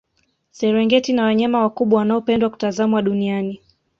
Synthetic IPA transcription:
sɛɾɛŋɡɛtinawaɲamawakuɓwawanaɔpɛndwaku̥tazamwaɗuniani

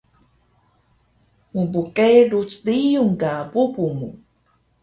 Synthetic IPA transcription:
mubukʼejɾut͡sdijuŋɡabubumu

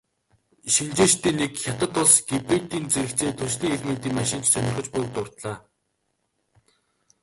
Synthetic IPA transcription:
ʃint͡ɕeːt͡ɕt̪iːnːekxʲat̪ə̆t̪ʊɮsɡ̥epeːt̪iːnt͡seɾɘ̆kt͡seːt̪ʰɵsɮiːŋeɮmĕnt̪iːŋmaʃɪ̆n̥t͡ɕsœnʲɪ̆rχə̆t͡ɕpʊjk̚t̪ʊrt̪ɮaː

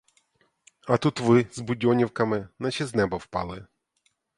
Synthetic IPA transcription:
ɐt̪ut̪ʋɪzbʊdʲɔnʲiwkɐmɪnɐt͡ʃʲiznɛbɐwpɑ̰lˠɪ

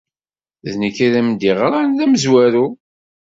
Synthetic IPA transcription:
ðnəkiðæmd̪iʁɾˤanðæməzwæɾu

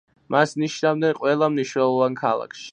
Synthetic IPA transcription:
masniʃnavd̪ɛnqʼwɛlˠamniʃnɛlˠɔvankʰa̰lˠa̰kʰʃi̥

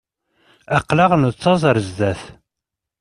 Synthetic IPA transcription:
æqːlaʁnt͡sːɑzˤɾəzd̪æθ

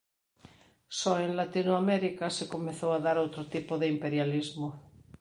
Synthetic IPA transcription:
sɔenlat̪inoameɾikasekomeθowaðaɾowt̪ɾot̪ipoðeimpeɾjalizmo

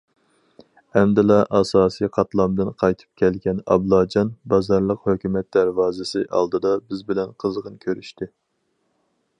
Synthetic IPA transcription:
ɛmd̪ɪlɑʔɑsɑːsijqʰɑt̪lˠɑmd̪ɨnqʰɑjt̪ʰɨ̥p̚kʲʰɛlɡʲɛnɑ̰blˠɑːd͡ʒɑnbɑzɑɾlˠəqhøkʲymɛt̪̚d̪æɾvɑːzɪsɨʔɑ̰lˠd̪ɨd̪ɑbɪzbɪlɛnqʰəzʁənkʲʰøɾyʃt̪ʰɪ

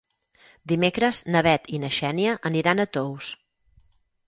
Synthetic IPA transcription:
d̪imekɾəznəβɛt̪inəʃɛniəʔəniɾanət̪ows

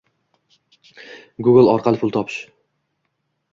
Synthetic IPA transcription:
ɡʊɡɪlˠɒɾqʰɑlˠɪpʰʊlˠt̪ʰɒpʰɪ̥ʃ

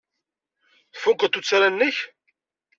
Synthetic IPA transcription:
θfʊkːət̪ːut͡sːaɾænːəç

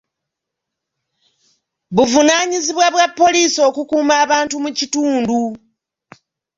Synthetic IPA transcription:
βuvunaːɲiziβwaβwapːo̞liːso̞ːkukuːmaːβaːntumucituːndu

